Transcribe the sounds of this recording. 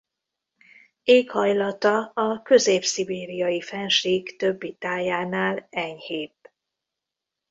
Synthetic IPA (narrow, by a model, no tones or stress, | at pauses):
eːkhɒjlɒt̪ɒɒkø̞zeːpsibeːɾijɒjifɛnʃiːɡt̪ø̞bːit̪aːjaːnaːlɛɲheːp̪